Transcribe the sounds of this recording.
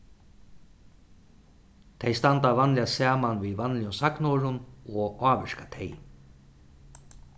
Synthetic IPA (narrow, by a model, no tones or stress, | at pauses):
t̪ʰejst̪ant̪aʋanlɪasɛːmanviːʋanlɪjʊnsaknoːɻʊnɔːaːʋɛʂkat̪ʰej